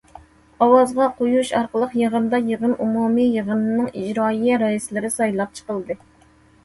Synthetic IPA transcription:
ɑwɑzʁɑqʰojuʃɑɾqəlˠəqjəʁənd̪ɑjəʁənumumijəʁənɨnːɨŋid͡ʒɾɑːijɛɾɑislɪɾɪsɑjlˠɑp̚t͡ʃʰə̥qəlˠd̪ɨ

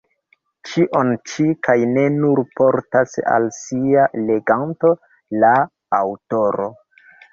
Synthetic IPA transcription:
t͡ʃiʔo̞nt͡ʃikajne̞nuɾpo̞ɾtasa̰lsiale̞ɡanto̞ | laː | wto̞ɾo̞̰

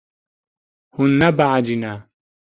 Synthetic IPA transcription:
hunːabaʕad͡ʒina

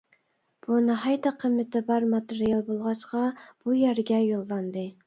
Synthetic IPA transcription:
b̥unɨɦɑjt̪ɑqʰəmːɪt̪ɪbɑɾmɑt̪eɾijɑlˠbolˠʁɑʃqɑb̥ujæɾɡʲɛjolˠːɑnd̪ɨ

